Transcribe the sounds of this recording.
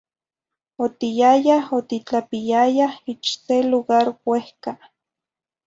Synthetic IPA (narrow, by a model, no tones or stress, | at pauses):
ot̪ijajahot̪it͡ɬapijajahit͡ʃseluɣaɾwehka